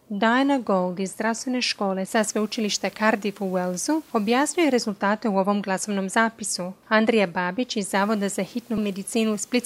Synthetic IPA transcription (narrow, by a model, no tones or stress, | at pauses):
d̪ajnaɡo̞lˠd̪izːd̪ɾast̪ʋe̞ne̞ʃko̞ːle̞sasʋeut͡ʃiliʃt̪akaɾd̪ifuwelzuo̞bjaːsɲuje̞ɾe̞zulˠt̪aːt̪e̞uo̞ʋo̞mɡlˠaso̞ʋno̞mzaːpisuand̪ɾijabaːbit͡ʃizːaːʋo̞d̪azaxit̪nume̞d̪it̪siːnusplit̪